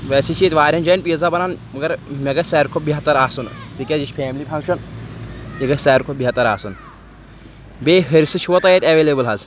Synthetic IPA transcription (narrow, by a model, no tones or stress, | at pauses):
ʋeːsit͡ʃʰiːt̪ʋaːɾʲɐnd͡ʒɐːnpiːzabɐnaːnmɐɡɐɾmʲeɡɐsɛːɾkʰobiɦɐt̪ːɐɾaːsunt̪ikʲezit͡ʃpʰeːmlipʰɐŋkʃɐn | iɡɐsɛːɾkʰobiɦɐt̪ːɐɾaːsun | beːɦɐɾʲsɨt͡ʃʰiʋot̪ɐjet̪ʲɐʋeːleːbɨlɦɐz